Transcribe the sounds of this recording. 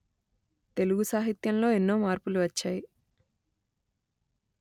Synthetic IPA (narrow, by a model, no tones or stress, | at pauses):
t̪e̞luɡusaːɦit̪jɐnlo̞ːenːo̞ːmaːɾpuluʋɐt͡ʃːaːji